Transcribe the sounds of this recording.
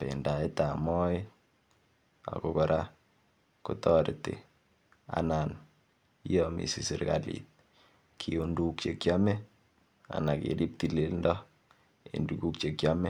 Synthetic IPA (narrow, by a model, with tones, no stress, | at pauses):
pḛ˨nda˨e˦ta˨mɔ˦ɪ | a̰˨kokɔ˨ɾʔa˦ | kutɔɾtḛ˨ | a̰na˨n | i˦jɔmḭ˨si˨si˨ɾka̰lḭt̚ | kʰiundukt͡ʃe˨kjamɛ˦ | a̰˨na˨kḛɾi˦p̚tilelndɔ˦ | ḛnduku˦k̚t͡ʃe˨kja˦mɛ˦